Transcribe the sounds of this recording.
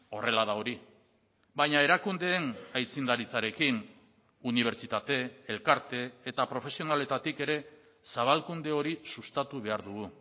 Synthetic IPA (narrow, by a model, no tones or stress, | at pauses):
o̞re̞laðao̞ɾi | bajɲae̞ɾakund̪e̞ːnajt͡sind̪aɾit͡saɾe̞kin | uniβ̞e̞ɾt͡ʃit̪at̪e̞ːlkaɾt̪e̞ːt̪apɾo̞fe̞sio̞nale̞t̪at̪ike̞ɾe̞ | saβ̞alkund̪e̞o̞ɾisust̪at̪uβe̞aɾðuɣu